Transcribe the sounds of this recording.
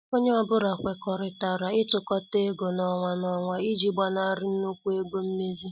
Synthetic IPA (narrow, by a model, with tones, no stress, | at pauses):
o˦ɲe˦ɔ˦bʊ˦ɾa˨kʷe˨kɔ˨ɾɪ˨ta˨ɾa˨ɪ˦tʊ˨kɔ˦te˦ɡo˨nɔ˨ŋʷa˨nɔ˨ŋʷa˨i˦d͡ʒi˦ɡ͡ba˦na˦ɾɪ˦n̩˦nu˦kʷu˦e˦ɡo˦m̩˦me˦zi˦